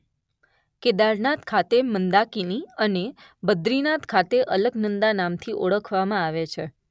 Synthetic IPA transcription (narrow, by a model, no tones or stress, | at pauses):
ked̪aɾnat̪kʰat̪emənd̪akiniəne | bəd̪ɾinat̪kʰat̪eʔələɡnənd̪anamt̪ʰiʔoɭəkʰʋamãaʋet͡ʃʰe